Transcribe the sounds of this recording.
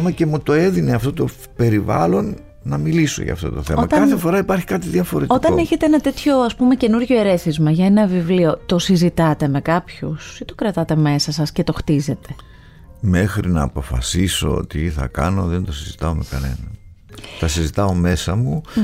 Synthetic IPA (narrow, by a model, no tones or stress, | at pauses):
mɐce̞mut̪o̞e̞ðineɐft̪o̞t̪o̞ | pe̞ɾivɐ̰lo̞nː | ɐmiliso̞̰ʝɐ̰ːft̪o̞t̪o̞θe̞moɐt̪ɐkɐθefo̞ɾɐipɐɾçi̥kɐt̪iðiɐfo̞ɾetikt̪ɐone̞çe̞t̪eenɐt̪e̞t̪ço̞ɐspume̞ce̞nuɾʝo̞eɾe̞θizmɐʝɐenɐvivlio̞t̪o̞sizit̪ɐt̪e̞me̞kɐpçusit̪o̞kɾɐt̪ɐt̪e̞me̞sɐsɐsce̞t̪o̞xt̪ize̞t̪e̞ | me̞xɾḭnɐːpo̞fɐ̰siso̞̰o̰t̪iθɐ̰kɐ̰no̞ðend̪o̞sizit̪ɐome̞kɐne̞̰nɐ | t̪ɐsizit̪ɐo̞me̞sɐmu